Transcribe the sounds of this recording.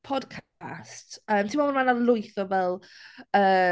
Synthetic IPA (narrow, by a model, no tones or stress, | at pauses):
pʰɔdkʰ | stəːmtʰimɔɔnmanalˠʊjθɔvɛlˠəː